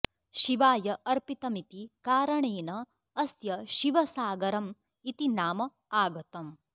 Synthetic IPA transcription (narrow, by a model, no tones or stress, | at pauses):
ʃiʋaːjɐʔɐɾpit̪ɐmit̪ikaːɾɐɳeːnɐː | sjɐʃiʋɐsaːɡɐɾɐm | it̪inaːmɐ | aːɡɐt̪ɐm